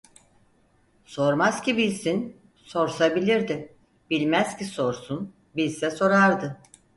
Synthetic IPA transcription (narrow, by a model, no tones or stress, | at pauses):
so̞ɾmazcibilʲsin | so̞ɾsabilʲiɾd̪ɪ | bilʲmæz̥ciso̞ɾsun | bilʲsɛso̞ɾaɾd̪ɯ